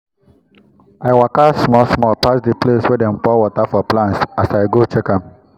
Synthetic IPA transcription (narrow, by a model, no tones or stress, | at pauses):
aɪwakasmɔsmɔpasdipleswɛdɛ̃mpɔwɔtafɔplãntsasaɪɡot͡ʃekãm